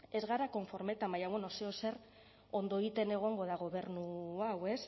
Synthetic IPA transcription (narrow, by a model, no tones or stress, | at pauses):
e̞zɣaɾako̞ɱfo̞ɾme̞t̪ambajaβwenoseose̞r | o̞nd̪o̞eɣit̪e̞ne̞ɣ̞o̞ŋɡo̞ðaɣ̞o̞βe̞rnuawe̞s